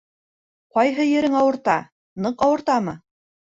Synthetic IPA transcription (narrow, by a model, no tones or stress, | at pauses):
qɒjɦɤjɘ̆ɾɘŋɑwɤ̆ɾt̪ɑ | nɤqɑwɤ̆ɾt̪ɑmɤ